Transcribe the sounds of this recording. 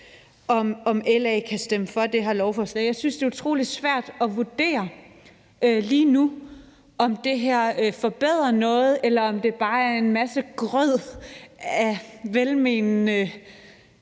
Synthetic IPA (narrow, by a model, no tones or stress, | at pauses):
ɒ̽mɒ̽melɛɪkʰæsd̥eməfɒ̽d̥e̝ɦɑlɒʊfɒslɛ̰ɪjɑɪsynsd̥e̝ːut͡sʰʁo̝̰ːli̥sʋæɐ̰d̥ɒ̽ʋud̥e̝̰ːɐ | ʔøliːnu | ɒ̽md̥e̝ɦeɐ̰øfɒ̽b̥eð̞̰ˠʁɐnɔ̽ːð̩ˠelɐɒ̽md̥e̝b̥ɑ̈ːæɐe̝nmæsəɡ̥ʁœð̰ˠ | æʋelmennə